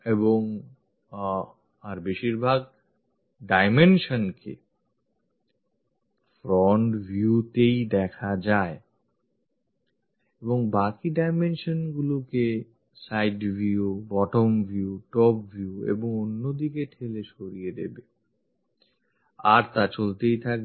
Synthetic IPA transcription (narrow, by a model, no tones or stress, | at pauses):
eboŋ | aɾbeʃiɾbʱaɡ | ɖajmenʃonkʰḛ | fɾɔɳʈvʱjut̪ejd̪ɛkʰad͡ʑae | eboŋbakiɖajmenʃonɡuloke | sajɖvʱiubɔʈomvʱjiuʈɔpvʱjuḛboŋonːod̪ikeʈʰeleʃoɾijed̪ḛbe | aɾt̪at͡ɕolt̪ejt̪ʰak̚